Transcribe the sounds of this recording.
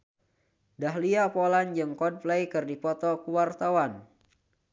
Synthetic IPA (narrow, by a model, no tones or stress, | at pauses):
daɦliapoland͡ʒɨŋkɔd̚plejkɨrdipɔt̪ɔkuwart̪awan